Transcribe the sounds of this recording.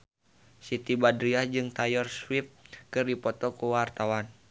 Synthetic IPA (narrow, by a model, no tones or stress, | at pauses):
sit̪ibadɾiad͡ʒɨŋt̪ajɔrswip̚kɨrdipɔt̪ɔkuwart̪awan